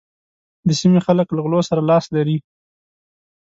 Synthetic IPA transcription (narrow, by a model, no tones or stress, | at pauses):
d̪əsimexaləklaɣlosaɾalɑslaɾi